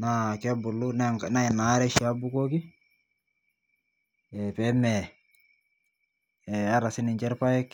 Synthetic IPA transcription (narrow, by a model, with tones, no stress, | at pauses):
na˦kɛ˦bu˨lunaŋkna˦ɪ˨na˨˦ɾɛ˦ʃa˦bu˦ko˦ki˦ | ɛpɛmɛ˨ | ɛa˦ɾa˨sɪ˦nɪ˨ɲt͡ʃɛ˦ɾpa˦jɛ˦kː